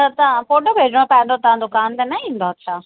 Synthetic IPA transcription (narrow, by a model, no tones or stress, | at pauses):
ɐt̪ɐãpoːɖobʱeːd͡ʑɽ̃õpɐɦɪ̃nd̪ot̪ɐʋ̤ãd͡ʑokaːnt̪enɐĩːnd̪oɐtːɕʰaː